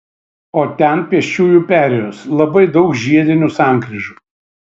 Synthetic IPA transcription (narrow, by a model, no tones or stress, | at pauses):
oːt̪ʲɛnpʲiɛʃʲt͡ʃʲuːjuːpʲæːɾʲejoːslˠɐbɐɪd̪ɒʊkʒʲiɛd̪ʲɪnʲusɑˑŋkɾʲɪʒuː